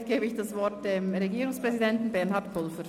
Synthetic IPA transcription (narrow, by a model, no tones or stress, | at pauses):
tɡ̥eːbəɪçd̥asvɔɐtd̥emʁeɡiːɾʊŋspʁ̥ɛzidɛntn̩bɛɐnɦɑtpʊlfəɾ